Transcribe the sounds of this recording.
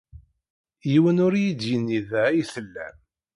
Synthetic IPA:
jiwənʊɾjid̪jənːiðæijθəlːæ̰m

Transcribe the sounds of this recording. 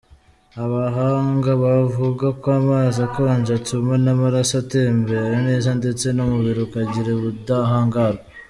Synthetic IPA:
aβaɦaːŋɡaβavuɡakoamaːzakoanʒatumanamaɾasateːmbe̞ɾene̞ːzande̞t͡se̞nomuβiɾokaɟiɾeβudaɦaːŋɡaɾɡa

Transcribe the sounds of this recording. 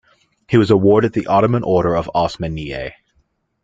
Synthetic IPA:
hiwʌzəwɔɹɾɨt̪̚ðiʔɑɾəmə̃nʔɔɹɾə˞ʌvɑsmɨ̃niḛɪ

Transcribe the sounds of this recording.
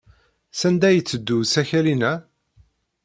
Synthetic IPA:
sænd̪æjət͡sːəd̪ːusæçælinæ

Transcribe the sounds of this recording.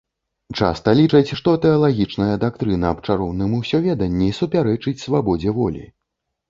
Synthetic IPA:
t͡ʂa̰st̪ɐlʲit͡ʂɐt͡sʲʂt̪ɔt̪ɛɐlˠaɣʲit͡ʂnɐjɐd̪akt̪ɾɨnɐːp̚t͡ʂaɾɔwnɨmuwsʲɔvʲɛd̪ɐnʲːisupʲaɾɛt͡ʂɨt͡sʲsvabɔd͡zʲɛvɔlʲḭ

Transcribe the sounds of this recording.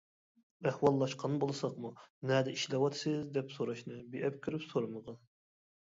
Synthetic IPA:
ɛhwɑlˠːɑʃqʰɑnbolˠsɑqmunɛd̪ɛiʃlɛwɑt̪ʰɨ̥sɨzd̪ɛpsoɾɑʃnɨbiʔɛp̚kʲʰyɾypsoɾɑməʁɑn

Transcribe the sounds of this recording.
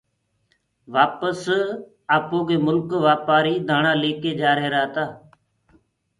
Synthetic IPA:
ʋaːpəs | aːpoːɡeːmʊlkʋaːpaːɾiːd̪ʱaːɳãːleːkeːd͡ʒaːɾɦeːɾaːt̪aː

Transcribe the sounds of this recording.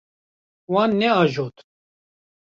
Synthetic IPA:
waːnːɛaːʒoːt̪

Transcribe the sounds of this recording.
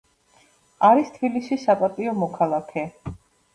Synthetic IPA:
aɾist̪ʰbilisisːapʼat̪ʼiɔmɔkʰalˠakʰɛ

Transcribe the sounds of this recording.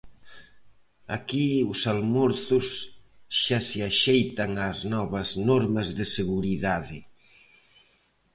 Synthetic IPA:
akiʊsalmoɾθʊsʃasɪaʃejt̪ɐŋaznɔβɐznɔɾmɐzðɪseɣuɾiðaðɪ

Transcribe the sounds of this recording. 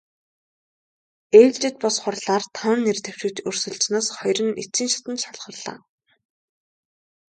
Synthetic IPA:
eːwt͡ɕt͡ɕɘ̆t̪̚pɔsχʊrɮaːrt̪ʰaw̪ə̆nːert̪ew̥ʃŭkʰt̪ɵrsɵ̆ɮt͡snɔːsχɔjrɘ̆nit͡siːnʃḁt̪ə̆nʃaɮχə̆rɮa̰ː

